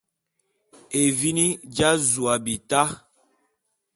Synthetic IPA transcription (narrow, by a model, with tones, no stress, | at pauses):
e˨vi˦ni˦d͡ʒa˦zu˨a˨bi˨ta˦